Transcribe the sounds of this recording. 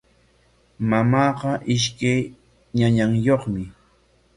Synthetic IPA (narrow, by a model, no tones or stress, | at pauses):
mamɑːqɑʔɪʃ̬kaj | ɲaɲaŋjoχmɪ